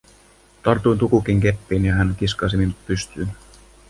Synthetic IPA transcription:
t̪ɑrt̪ujnt̪ukuk̟iŋke̞pːiːnjɑɦænkiskɑːs̬iminupyst̪yːn

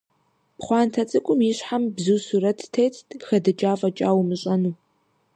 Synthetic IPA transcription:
pχʷɑːntʰɐt͡sʼɨkʷʼʊmiɕħambzuːsuɾɐtʰtʰejtʰxɐdɨt͡ʃʼaːvɐt͡ʃʼaːwmɨɕʼɐnuː

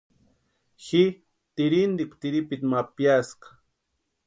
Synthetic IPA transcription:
xɪ | t̪ɪɾɪnd̪ɪkʷt̪ɪɾɪpɪt̪mapjasqɑ̥

